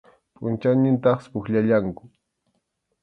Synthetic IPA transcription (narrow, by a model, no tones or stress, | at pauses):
pʼʊnt͡ʃawnɪnt̪ɑχspʊxʎaʎaŋkʊ̥